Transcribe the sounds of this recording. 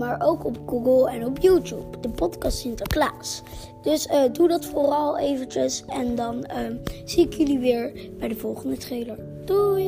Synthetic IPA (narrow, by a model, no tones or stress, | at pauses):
maːɹʔowkɔp̚ɡuɡəlˠɛnɔpjutṵpdəpɔtkɑstɪntəɹklaːs | d̥ɵsədudɑtfʊrɑlˠejvətəsɛndɑnəz̥iɪkjɵliʋɪːɹ | bɛjdəvɔlˠχəndətrejləɹ | d̥u